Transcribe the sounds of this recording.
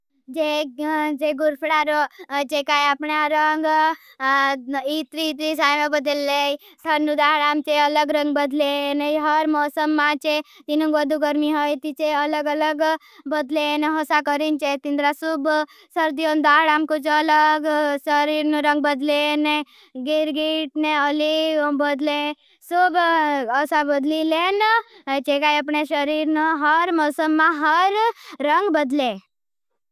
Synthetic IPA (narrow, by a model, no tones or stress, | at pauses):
d͡ʒed͡ʒeɡuɾpʰɽaɾod͡ʒekajapɳaɾəŋɡ | it̪ɾiːt̪ɾisaːjmabəd̪əlːe | t̪ʰəɾnud̪aːɦɽamt͡ʃeələɡɾəŋɡbəd̪ʱlenejɦəɾmɔːsəmːãt͡ʃet̪inũʋəd̪ʱuɡəɾmiɦəjt̪it͡ʃeələɡələɡ | bəd̪leneɦosakəɾint͡ʃet̪ind̪ɾasub | səɾd̪ijond̪aɽamkut͡ʃələɡsəɾiɾnəɾəŋɡ̚bəd̪lene | ɡiɾɡiʈneəlibəd̪le | subəsabəd̪lilent͡ʃekajəpɳeʃəɾiɾnəɦəɾmɔsəmːaɦəɾːəŋɡbəd̪le